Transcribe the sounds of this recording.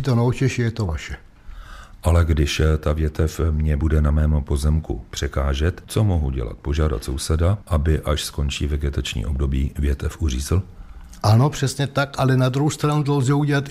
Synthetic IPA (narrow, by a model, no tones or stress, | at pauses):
it̪onowt͡ʃɛʃɪjɛt̪ovaʃɛ | ʔalɛɡdɪʃt̪avjɛt̪ɛfmɲɛbudɛnamɛːmpo̞zɛmkṵpr̥ɛkaːʒɛt̪t͡so̞moɦuɟɛ̰la̰t̪̚po̞ʒaːda̰t̪so̞wsɛdaʔabɪʔaʃsko̞nt͡ʃiːvɛɡɛt̪at͡ʃɲḭːʔo̞bdo̞biːvjɛt̪ɛfʔur̝iːzɪl | ʔanopr̥ɛsɲɛt̪akalɛnad̪ɾuhɦowst̪ɾanut̪olzɛuɟɛlat̪